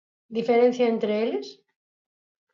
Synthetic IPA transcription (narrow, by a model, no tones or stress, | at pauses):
d̪ifeɾẽn̟θjaent̪ɾeeles